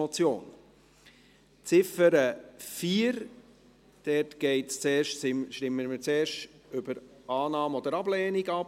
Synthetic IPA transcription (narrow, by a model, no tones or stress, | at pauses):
ɔt͡sjo̰ːn | t͡sɪfəɾəfiːəɾ | d̥ɛɾtɡ̥ɛɪtst͡seːɾʃsɪʃtɪmːəmət͡seːɾʃtʏbəɾɑːnɑːmɔd̪əɾɑblɛːniɡɑp